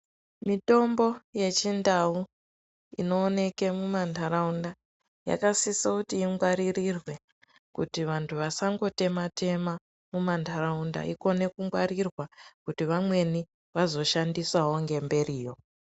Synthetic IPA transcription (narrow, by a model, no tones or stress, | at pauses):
mito̞mbo̞je̞t͡ʃindau | ḭno̞ːne̞ke̞mumantʰaɾaunda | ja̰kasisokutiːŋɡwaɾirirwe̞ | kutiʋantʰuʋasaŋɡo̞te̞matʰe̞ma | mumantʰaraunda̰ʔiko̞ne̞kuŋɡwaɾirwakutiʋamwe̞ni | ʋazo̞ʃandisawo̞ŋɡe̞mbe̞riːjo̞